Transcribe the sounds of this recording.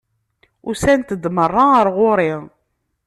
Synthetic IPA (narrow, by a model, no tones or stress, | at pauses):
ʊsænt̪əd̪mərˤːaəɾʁoɾɪ